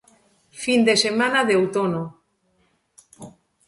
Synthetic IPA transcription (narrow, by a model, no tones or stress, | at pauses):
find̪esemanaðeowt̪ono